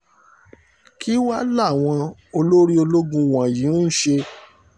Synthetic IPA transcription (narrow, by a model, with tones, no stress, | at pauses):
ki˦wa˦la˦˨w̃ɔ̃˧o˧lo˦ɾi˦o˧lo˦ɡũ˧wã˨jĩ˨˦ʃe˧